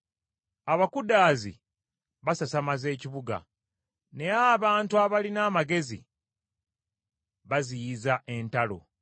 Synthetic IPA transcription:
aβakudaːzḭ | βasasamaze̞ːciβuɡa̰ | ne̞aːβaːntuaβalinaːmaɡe̞zḭ | βazijizaʔe̞ntalo̞̰

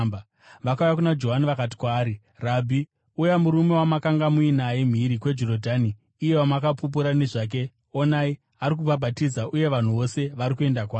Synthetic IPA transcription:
ʋakaujakunad͡ʒo̞ɦaniʋakat̬i̥kwaːɾi | rabʱi | ujamuɾume̞wamakaŋɡamuinajem̤iɾikwe̞d͡ʒorodʱaniː | je̞wamakapup̬uɾane̞ʐaːk̬e̞ | o̞nai | aɾik̬ubʱabʱatid͡zaʔuje̞ʋan̤uʋo̞se̞ʋaɾikue̞ndakwaː

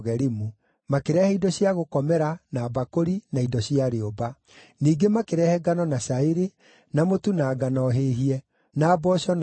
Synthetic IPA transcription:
ɣɛɾimu | makeɾɛhɛidɔɕiaɣokɔmɛɾanaːbakoɾinaidɔɕiaɾeoba | niːɡemakeɾɛhɛɡanɔnaɕaeɾe | namotunaːɡanɔɦeːɦiɛ | naːbɔɕɔn

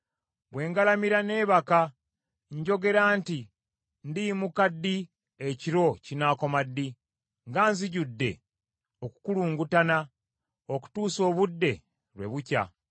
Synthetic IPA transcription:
βwe̞ːŋɡalamiɾane̞ːβaka | ɲɟo̞ɡe̞ɾaːnti | ndimukadːi | eciɾo̞cinako̞madːi | ŋɡaːnziɟudːe̞̰ | o̞ku̥kuluːŋɡutana | oku̥tuːso̞ːβudːe̞ | ɾwe̞̰βuca̰

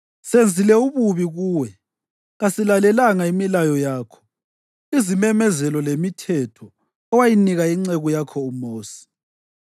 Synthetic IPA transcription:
send͡zʱilɛuβuβiɣuːwɛ | ɣasilalɛlaŋaimilajɔjaːkʰɔ̥ | izimɛmɛzɛlɔlemitʰɛtʰɔ | ɔwajiniɣaiŋ͡ǀɛɣujakʰɔumoːsi̥

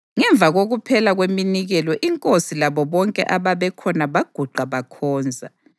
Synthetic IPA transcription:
ŋɛɱb̪vʱaɣoɣupʰɛlaɣweminiɣɛlɔʔiŋkʼosilaβɔβɔŋkʼɛ̰ʔaβaβɛkʰɔnaβaɡ̥ʱuɡ͡ǃaβakʰɔːnd͡zʱa

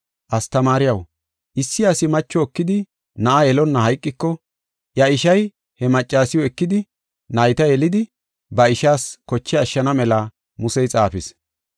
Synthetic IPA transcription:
ʔɐst̪ɐmaːɾɪjɐw | ʔɪsːɪɐsɪmɐt͡ʃːɔːkːɪd̪ɪ | nɐʔajɛlɔnːɐhɐjkʼːɪkːɔ | jɐɪʃɐj | hɛmɐt͡ʃʼːaːsɪjɔɛkːɪd̪ɪ | nɐjt̪ɐjɛlɪd̪ɪ | bɐɪʃaːskɔt͡ʃːɛɐʃːɐnɐmɛlɐ | mʊsɛjt͡sʼaːfɪs

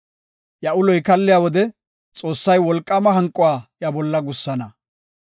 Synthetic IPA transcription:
jɐʊlɔjkɐlːɪjaːwɔd̪ɛ | t͡sʼo̞ːsːɐjwɔlkʼːɐmɐɦɐŋkʼːʊwaːjɐbɔlːɐɡʊsːɐnɐ

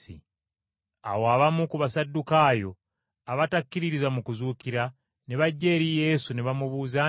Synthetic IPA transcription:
ḭ | a̰woaβamukuβasadːukajo̞ | aβatakːiɾiɾizamukuzuːkiɾa | neβaɟːe̞ɾije̞suneβamuβuːza

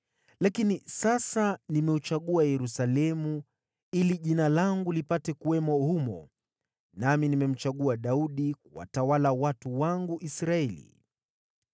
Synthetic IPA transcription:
lakinisasanimɛut͡ʃaɠuajɛɾusalɛmu | iliʄinalaŋɡulipatɛkuwɛmɔhumɔ̰ | naminimɛm̩t͡ʃaɠuaɗauɗik̚uwa̰tawalawatuwaŋɡuʔisɾaɛlḭ

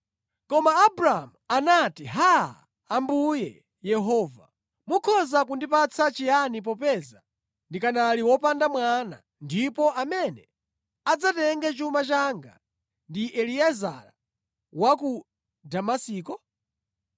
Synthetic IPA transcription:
kɔmaːbɾaa̰muanatiɦa̰ː | mbujɛ̰ | jɛɦɔːva̰ | mukʰɔzak̬undipat͡sʰat͡ʃianip̬ɔpɛza | ndikanaliwɔpandamwana̰ | ndipɔʔamɛnɛ | ad͡zatɛŋɡɛt͡ʃumat͡ʃaŋɡa̰ | ndiʔɛliaza̰ɾa | waku | damasiːkɔ

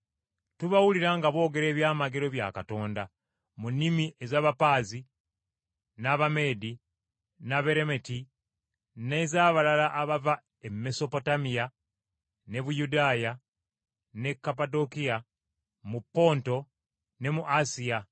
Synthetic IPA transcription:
tuβawuliɾaŋɡaβo̞ːɡe̞ɾe̞ːβjaːmaɡe̞ɾo̞βja̰kato̞ːnda | munːimiʔezaːβapaːzi | naβame̞ːdi | naβe̞ɾe̞me̞ti | nezaːβalalaʔːβava | emːe̞so̞po̞tamija | ne̞βujudaːja | ne̞kːapado̞kia | mupːo̞ːnto̞ | ne̞muʔasija

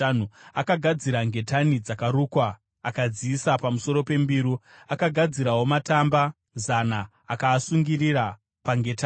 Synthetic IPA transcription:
nuakaɡʱad͡ziɾaŋɡe̞tanid͡zakaɾuːkwaː | kad͡ziːsapamuso̞ɾo̞pe̞mbiːɾuakaɡʱad͡ziɾawo̞matamba | zanaː | kaːsuŋɡiriɾa | paŋɡe̞ta

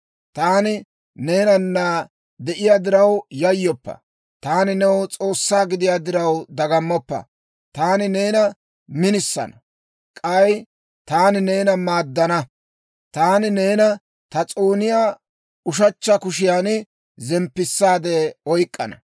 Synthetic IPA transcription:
t̪aːnɪ | ne̞ːnɐnːa | d̪ɛʔɪjaːd̪ɪɾɐwjɐjːɔpːɐ̰ | t̪aːnɪnɛwt͡sʼo̞ːsːaːɡɪd̪ɪjaːd̪ɪɾɐwd̪ɐɡɐmːɔpːɐ̰ | t̪aːnɪneːnɐ | mɪnɪsːɐ̰nɐ | kʼɐj | t̪aːnɪne̞ːnɐmaːd̪ːɐnɐ | t̪aːnɪne̞ːnɐ | t̪ɐt͡sʼoːnɪjaː | ʊʃɐt͡ʃːɐkʊʃɪjaːn | zɛmpːɪsːaːd̪eɔjkʼːɐ̰nɐ̰

